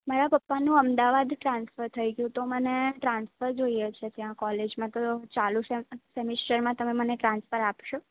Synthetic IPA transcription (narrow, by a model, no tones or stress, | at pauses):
maɾapəpːanũəmd̪aʋad̪ʈɾãnsfəɾt̪ʰəjɡjũt̪oməneʈɾãnsfəɾd͡ʒoijet͡ʃʰet̪jãkɔled͡ʒmãt̪ot͡ʃalũt͡ʃʰesɛmisʈəɾmãt̪əmeməneʈɾãnsfəɾapʃo